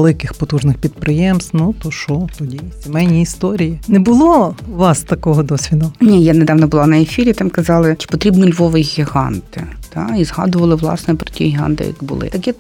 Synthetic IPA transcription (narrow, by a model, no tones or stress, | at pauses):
lˠɪkɪxpɔt̪uʒnɪxpʲid̪̚pɾɪjɛmst̪nut̪ɔʃɔt̪ɔdʲisʲimɛjnʲiːst̪ɔɾʲijinɛbʊlˠɔʋɑst̪ɐkɔɦɔd̪ɔsʲʋʲid̪ʊnʲijaneɛd̪ɑʋnɔbʊlˠɑnɐefʲiɾʲit̪ɑmkɐzɑlˠɪt͡ʃɪ̥pɔt̪ɾʲibnɔlʲʋɔʋɪɣʲiɦɑ̰nt̪ɪt̪ɑizɦɑ̰d̪ʊʋɐlˠɪʋlˠɑ̰snɛpɾɔ̥tʲiɣʲiɦɑ̰nt̪ɪ̰jɐ̰kbʊ̰lˠɪ̰t̪ɐkʲɛ